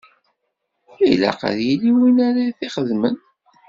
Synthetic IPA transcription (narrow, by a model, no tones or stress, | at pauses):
ijlæ̰qə̰ðjiliwinaɾaθiχəðmən